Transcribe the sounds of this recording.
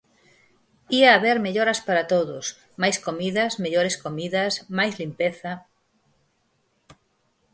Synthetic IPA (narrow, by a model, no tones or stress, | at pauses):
iaːβeɾmeʎoɾɐspaɾat̪oðʊs | majskomiðɐsmeʎoɾeskomiðɐsmajzlimpeθɐ